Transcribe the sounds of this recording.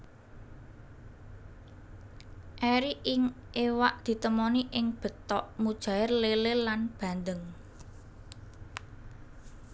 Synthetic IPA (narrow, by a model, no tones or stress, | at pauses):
ʔɛɾiʔɪŋʔewaʔd̪̥i̤t̪əmɔniʔɪŋb̥ə̤t̪ɔʔmud̥ʒ̥ä̤ɪrlelɪlanb̥ä̤nd̪əŋ